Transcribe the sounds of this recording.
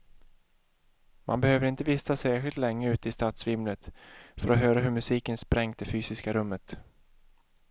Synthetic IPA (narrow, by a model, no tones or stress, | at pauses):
mʔa̰nbɛhøːvəɾɪnt̪əvɪst̪asæːɧɪlt̪lɛŋːəʉ̟ːt̪əɪst̪at̪svɪmlət̪fœɾɔɦøːɾaɦɵɾmɵsiːkənspɾɛŋt̪̚d̪ɛfyːsɪskaɾɵmːət̪